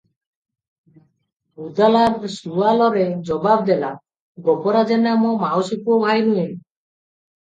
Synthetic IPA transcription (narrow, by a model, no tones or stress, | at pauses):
ud̪alaɾsualɔɾed͡ʒɔbabd̪ela | ɡɔpɔɾad͡ʒenamɔmaɔsikuɔbʱajnue